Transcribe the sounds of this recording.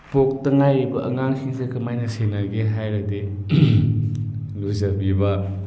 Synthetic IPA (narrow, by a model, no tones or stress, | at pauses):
pok̚tɐŋajɾibɐʔɐŋaŋsʰiŋsekɐmajnɐsenaɡeɦajɾɐde | luzabibɐ